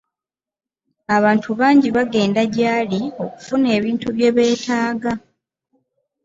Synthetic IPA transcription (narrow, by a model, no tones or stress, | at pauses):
aβaːntʰuβaːɲɟiβaɡe̞ːndaɟaːlio̞ku̥fune̞ːβiːntuβje̞βe̞ːtʰaːɡa